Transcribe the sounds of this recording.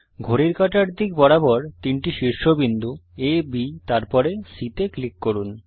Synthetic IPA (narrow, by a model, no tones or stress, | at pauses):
ɡʱoɾiɾkaʈaɾd̪ʱik̚bɔɾabɔɾt̪inʈiʃiɾʃobind̪uebit̪aɾpɔɾesit̪eklikːoɾun